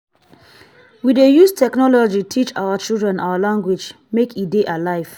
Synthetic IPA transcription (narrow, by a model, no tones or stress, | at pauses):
widejustʰɛknɔlɔd͡ʒitʰit͡ʃaʊwat͡ʃilˠdɹɛ̃na̰ʊalãŋɡwed͡ʒ | mekʰideʔalaɪv̥